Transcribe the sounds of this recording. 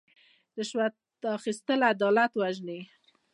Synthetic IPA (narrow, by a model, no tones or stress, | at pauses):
ɾɪʃwat̪ | ɑxist̪əlad̪ɑlat̪waʒne